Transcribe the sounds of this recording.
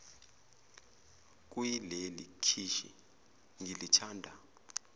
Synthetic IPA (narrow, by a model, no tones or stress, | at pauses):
k̬ʼwilelikʰiʃḭ | ŋilit͡ʃʰaːndʱa